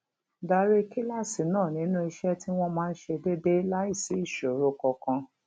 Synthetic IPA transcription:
da˧ɾe˦ki˦la˦˨si˨nãː˦˨nĩ˨˦nũ˦i˧ʃɛ˦ti˦w̃ɔ̃˦mãː˦˧n̩˦ʃe˧de˦de˦la˦i˦˨si˨˦i˦˨ʃo˨ɾo˨kɔ˧kã˧

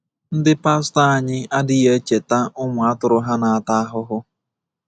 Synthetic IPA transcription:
n̩˦dɪ˦pa˦sta˦a˦˨ɲɪ˦a˦dɪ˦je˦t͡ʃe˨ta˦ʊ˦ŋʷʊ˨a˦tʊ˨ɾʊ˦ɦa˦na˨a˨ta˦a˦ɦʊ˦ɦʊ˦

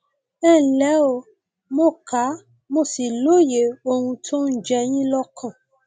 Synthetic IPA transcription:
ɛ˦˨lɛ˨˦o˨ | mo˦˨ka˨˦ | mo˧˨si˨lo˦˨je˨˦o˧hũ˧tʰo˦n̩˦d͡ʒɛ˧j̃ĩ˦lɔ˦kʰã˦˨

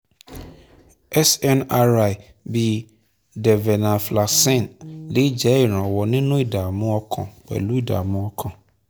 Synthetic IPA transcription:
ɛ˦sɛ˦na˦ɾa˨j | bi˨ | dɛ˨vɛ˨nã˨fla˨sɛ̃˦˨nle˦d͡ʒɛ˨˦˨ɾɔ̃˨wɔ˨nɪ̃˦nʊ̃˦i˦da˨mʊ̃˦ɔ˦kʰɔ̰̃˨k͡pɛ̰˨lu˦i˦da̰˨mʊ̃˦ɔ˦kʰɔ̃˨

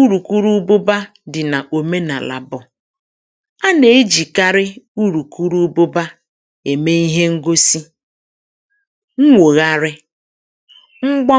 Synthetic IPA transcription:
u˦ɾu˨ku˦ɾu˦bʊ˦ba˦ | dɪ˨na˨ʔo˨me˦na̰˨la̰˨bʊ˨ | a˦ne˨e˦d͡ʒi˨ka˦ɾɪ˦u˦ɾu˨ku˦ɾu˦bʊ˦ba˦ | e˨me˦i˦ɦe˦ŋ̩˦ɡo˦si˦ | ŋ̩˦ŋʷo˨ɣa˦ɾɪ˦ | ŋ͡m̩˦ɡ͡bɔ˦

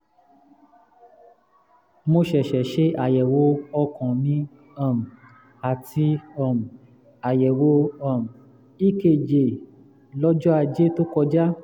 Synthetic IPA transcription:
mo˧ʃɛ˨ʃɛ˨ʃe˦a˨jɛ˨wo˨˧˦ɔ˧kɔ̃˨nĩ˨˦ | ɔ˦˨m̩˨ | a˨tʰi˧ɔ˨m̩˨ | a˨jɛ˨wo˧˦ɔ˦˨m˨ | i˦ke˨d͡ʒe˨ | lɔ˦d͡ʒɔ˦a˧d͡ʒe˦to˦kɔ˧d͡ʒa˦

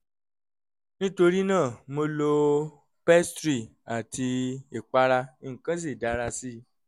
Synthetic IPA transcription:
nĩ˦to˧ɾi˦nãː˦˨mo˧lo˧ | pɛ˦stɾi˦˨a˨ti˧i˨k͡pa˧ɾa˧i˦ŋ̩˨kã˨˦s̬i˦˨da˨˦ɾa˧si˦

